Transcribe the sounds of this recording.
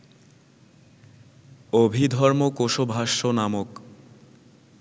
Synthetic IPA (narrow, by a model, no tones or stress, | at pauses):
obʱid̪ʱɔɾmokoʃobʱaʃːonamok